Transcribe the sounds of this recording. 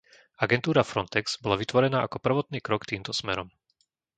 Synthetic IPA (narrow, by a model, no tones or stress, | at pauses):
aɡɛnt̪uːɾafɾɔnt̪ɛɡz̥bɔlaʋit̪ʋɔɾɛnaːʔakɔpr̩ʋɔt̪niːkɾɔkt̪iːmt̪ɔsmɛɾɔm